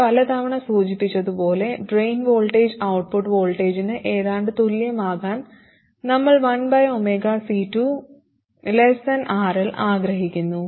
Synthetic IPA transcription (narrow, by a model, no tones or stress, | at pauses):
pɐlɐt̪ɐʋiɳɐsuːt͡ɕipːit͡ɕːɐðupo̞ːle̞ɖrejnʋo̞ːɭʈeːd͡ʑɐwʈ̚puʈːʋo̞ːɭʈːeːd͡ʑinɨʔeːðaːɳɖɨt̪uljɐmaːɣaːn | nɐmːɐɭʋɐnbɐjomeːɡaːsiːtːu | lesɐnʔaːrilʔaːɡɾɐɦikʲːunːu